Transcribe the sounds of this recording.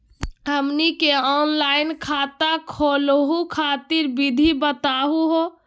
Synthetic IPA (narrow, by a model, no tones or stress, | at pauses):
ɦəmnikeɔnlajnkʰat̪akʰolɦukʰat̪iɾbid̪ʱibət̪aɦuɦo